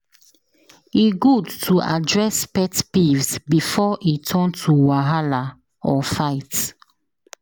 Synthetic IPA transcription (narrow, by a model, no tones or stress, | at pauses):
iɡudtʰuʔadɹɛspɛtpivsbifɔʔitʰɔ̃ntʰuwaɦala | ɔfaɪt